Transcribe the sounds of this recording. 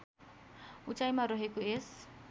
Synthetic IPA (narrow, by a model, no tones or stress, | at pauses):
ut͡ʃʼajmaɾɔɦekues